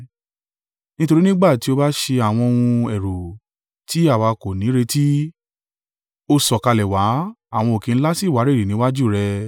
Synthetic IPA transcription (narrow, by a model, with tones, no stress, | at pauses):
nĩ˦to˧ɾi˦nĩ˦ɡ͡ba˦˨ti˨˦o˧˦ba˦ʃe˧a˨w̃ɔ̃˧o˧ũ˧ɛ˨ɾo˨ | ti˨˦a˦˨wa˧ko˨nĩ˨˦ɾe˧ti˦ | o˦sɔ˨ka˧lɛ˨wa˨˦a˦˨w̃ɔ̃˧o˨kẽ˨˧n̩˦la˦si˦˨wa˨˦ɾe˦˨i˨nĩ˨˦wa˦d͡ʒu˦˨ɾɛ˧